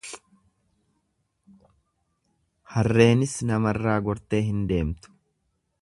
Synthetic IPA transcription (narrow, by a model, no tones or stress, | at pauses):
hɐrːe̞ːnɪsnɐmɐrːaːɡɔɾt̪e̞ːɦɪnd̪e̞ːmt̪ʊ̥